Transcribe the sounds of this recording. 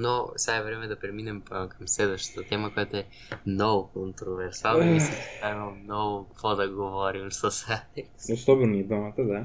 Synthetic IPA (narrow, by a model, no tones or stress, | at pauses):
noseɡaɛvɾɛmɛd̪ɐpɾɛminɛmkɐmslɛd̪vəʃt̪ə̥t̪ɐt̪ɛməkojat̪oɛ | nɔvokont̪ɾovɛɾsalˠisi̥t̪amɐlˠmnɔvʊkvɔd̪ɐɡovɔɾimsɐsaɛsosɔbɛɾniɛd̪amɐt̪ɐd̪a